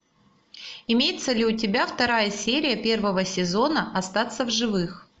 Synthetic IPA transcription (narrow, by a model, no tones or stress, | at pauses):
ɪmʲejɪt̪səlʲɪʊtʲɪbʲaft̪ɐɾajəsʲeɾʲɪjəpʲe̞rvəvəsʲɪzo̞nəʔɐst̪at̪səvʐɨvɨx